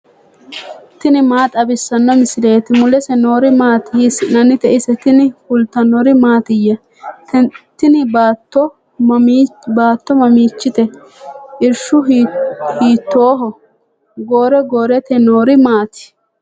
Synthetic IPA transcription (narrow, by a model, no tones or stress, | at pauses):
t̪ɪnɪmaːt̪ʼɐbɪsːɐnːɔmɪsɪle̞ːt̪ɪmʊlɛsɛnoːɾɪmaːt̪ɪsnɐnːɪt̪ɛʔɪsɛt̪ɪnɪkʊlt̪ːɐnɔɾɪmaːt̪ɪjɐ | t̪t̪ːɪnɪbaːt̪ːɔ | baːt̪ːɔmɐmiːt͡ʃːɪt̪ɛ | ɪɾʃʊ | hiːt̪ːoːɦɔ | ɡoːɾɛɡoːɾɛt̪ɛnoːɾɪmaːt̪ɪ̥